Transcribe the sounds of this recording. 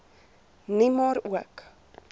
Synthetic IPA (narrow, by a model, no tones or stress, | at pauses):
nimoɾuək